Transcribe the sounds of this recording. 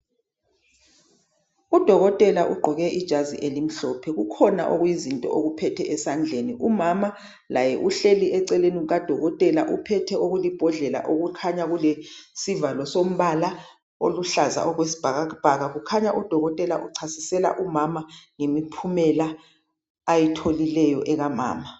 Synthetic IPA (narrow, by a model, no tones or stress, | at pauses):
ud̥ʱɔɣɔtʼɛlaʔuɡ͡ǃʱɔɣɛʔid̥ʒ̥ʱaziʔelim̩ɬɔpʰɛɣukʰɔna̰ʔoɣwjizintʼɔ̰ʔoɣupʰɛtʰɛʔɛsand͡ɮʱeniʔumama | lajɛʔuɬeliʔɛǀɛleniuɣad̥ʱɔɣɔtʼɛlaʔupʰɛtʰɛʔoɣulib̥ʱɔɮɛla̰ʔoɣukʰaɲaɣulesivalɔsom̩βala | oluɬaza̰ʔɔɣwesi̥b̥ʱaɣab̥ʱaɣaɣukʰaɲaʔud̥ʱɔɣɔtʼɛlaʔuǀʰasi̥sɛla̰ʔumamaŋemipʰumɛlaː | jitʰolilɛjɔʔɛɣama̰ːma